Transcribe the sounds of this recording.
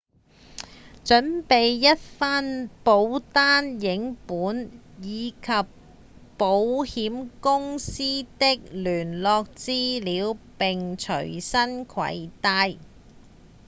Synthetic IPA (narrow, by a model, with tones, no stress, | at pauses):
t͡ʃɵ˨˥npe˨jːɐ˥t̚faː˥npo˨˧˥wt̪aː˥njɪ˨˥ŋpuː˨˥n | jiː˨˧kʰɐ˨pː | o˨˧˥whiː˨˥mkʊ˥ŋsiː˥t̪ɪ˥k̚lyː˨˩nlɔː˧k̚t͡siː˥liː˨˧˥wpɪ˨ŋt͡ʃʰɵ̰˨˩ɥsɐ˥nkʰɐ̰˨˥jt̪aː˧j